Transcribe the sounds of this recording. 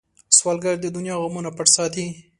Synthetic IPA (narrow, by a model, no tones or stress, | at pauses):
swɑlɡaɾd̪əd̪ʊnjɑɣamunapaʈsɑt̪i